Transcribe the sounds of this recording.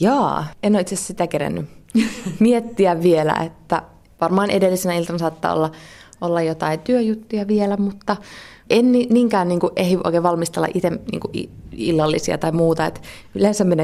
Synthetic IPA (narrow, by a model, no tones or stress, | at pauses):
jɑːenːoit̪sessit̪ækeɾæ̰nːy | miet̪ːiæʋʋielæ̰ḛt̪ːæ | ʋɑrmɑːnʔedelːisenæilt̪ɑnɑsɑːt̪ːɑ̰ːo̰lːɑʔolːɑjot̪ɑit̪yøjut̪ːujɑʋielæmut̪ːɑ | ʔenniniːŋkæːnniːŋkuʔehiʔo̰ikeːʋɑlmist̪elːɑ̰ʔit̪emnḭːŋkuʔḭḭlːɑlːisiɑ̰t̪ɑimuːt̪ɑḛt̪ | ylensæmmene